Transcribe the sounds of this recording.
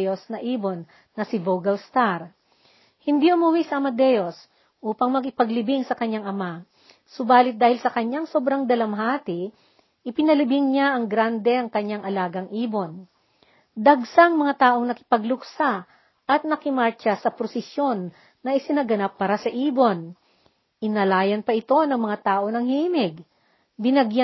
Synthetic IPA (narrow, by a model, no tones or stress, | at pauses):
josnɐʔiːbo̞nː | ɐsɪboɡɐlst̪aɾ | hɪnd̪iʊmʊwisɐʔɐmɐd̪ɛjos | ʔuːpɐŋmɐɡɪpɐɡlɪbɪŋsɐkɐɲːaŋɐma | sʊbaːlɪt̪̚d̪aːhɪlsɐkɐɲaŋso̞ːbɾɐŋd̪ɐlɐmɦaːt̪ɪ | ʔɪpɪnɐlɪbɪŋɲaʔɐŋɡɾand̪ɛʔɐŋkɐɲːaŋʔɐlaːɡɐŋʔiːbo̞n | d̪ɐɡsɐŋmɐŋat̪aːʔo̞ŋnɐkɪ̥pɐɡlʊksa | ʔɐt̪̚nɐkɪmaɹt͡ʃɐsɐpɾosɪsjo̞nː | ɐʔɪsɪnɐɡɐnapːaːɾɐsɐʔiːbo̞n | ʔɪnɐlaːjɐnpɐʔɪt̪o̞nɐŋmɐŋat̪aːʔo̞nɐŋhiːmɪɡ | bɪnɐɡja